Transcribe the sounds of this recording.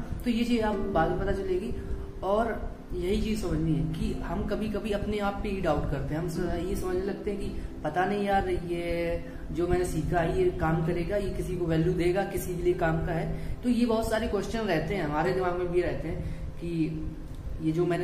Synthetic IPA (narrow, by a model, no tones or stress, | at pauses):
t̪oːjet͡ʃiːzaːpbaːd̪mẽpɐt̪at͡ʃɐleːɡi | ɔːɾ | jɐɦit͡ʃiːzsɐməd͡ʒʱniɦɛːkihɐmkɐbʱikɐbʱiɐpneaːpːeiːɖaːʊʈkɐɾt̪eɦɛ̃ɦɐmjesɐməd͡ʒʱnelɐɡ̚t̪eɦɛ̃kipɐt̪anɐɦĩjaːɾje | d͡ʒoːmɛ̃ːnesiːkʰaɦɛjekaːmkɐɾeːɡajekɪsikoʋɛːljud̪eːɡakɪsikeliekaːmkaɦɛːt̪ojebɐɦʊt̪saːɾekwɛʃt͡ʃənɾɛɦt̪eɦɛ̃ɦɐmaːɾed̪ɪmaːɡmẽbʱijɾɛɦt̪eɦɛ̃ː | ki | jed͡ʒoːmɛːne